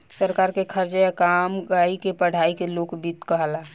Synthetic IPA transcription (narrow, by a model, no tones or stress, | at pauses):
səɾkaɾkekʰəɾt͡ʃkamɡaikepəɽ̤ʱaikelokbit̪kəɦla